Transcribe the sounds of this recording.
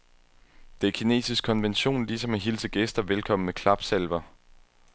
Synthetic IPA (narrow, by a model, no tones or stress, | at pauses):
d̥e̝æɐkʰine̝̰ːsisɡ̥̚kʰɒ̽nʋenɕo̝̰ːnlisɒ̽mæɦilsəɡ̥esd̥ɐʋelkʰɒ̽m̰n̩mekʰlɑ̈b̥selʋɐ